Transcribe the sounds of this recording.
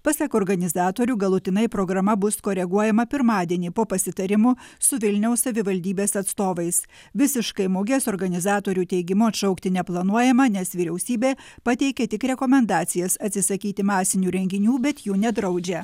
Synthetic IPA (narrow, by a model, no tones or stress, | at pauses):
pɐsʲɐkɔːɾɡɐnʲɪzɑːt̪oːɾʲuːɡɐlˠʊt̪ʲɪnɐɪpɾoːɡɾɐmɐbʊskoːɾʲɛɡuɔjɛmɐpʲɪɾmɑːd̪ʲiɛnʲiːpoːpɐsʲɪt̪ɐɾʲɪmʊsʊʋʲɪlʲnʲɛʊssɐʋʲɪʋɐlʲd̪ʲiːbʲeːsɐt̪st̪oːʋɐɪs | ʋʲɪsʲɪʃkɐɪmoːɡʲeːsɔːɾɡɐnʲɪzɑːt̪oːɾʲuːt̪ʲɛɪɡʲɪmʊɐt̪ʃɒʊkt̪ʲɪnʲɛplˠɐnuɔjɛmɐnʲɛsʋʲiːɾʲɛʊsʲiːbʲeːpɐt̪ʲɛɪkʲɛt̪ʲɪkɾʲɛkomʲɛnd̪ɑːt̪sʲɪjɛsɐt̪ʲsʲɪsɐkʲiːt̪ʲɪmɑːsʲɪnʲuːɾʲɛŋʲɡʲɪnʲuːbʲɛt̪juːnʲɛd̪ɾɐʊd͡ʒʲɛ